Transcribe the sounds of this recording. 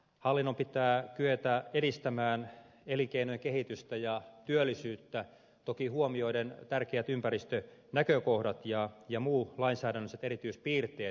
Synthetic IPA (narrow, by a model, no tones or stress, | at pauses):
hɑlːinːompit̪æːkyøt̪æeɾist̪æmæːn | eliŋkeinojekehit̪yst̪æjɑt̪yølːˑisyːt̪ːæ | t̪okihuomioident̪ærkeæt̪ympæɾist̪ønækøkohdɑt̪jɑjɑmuːlɑinsæːdænːøset̪eɾit̪yːspiːrt̪eː